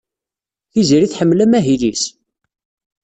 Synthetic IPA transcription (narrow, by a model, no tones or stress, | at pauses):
θiziɾiθħəmːlæmæɦilis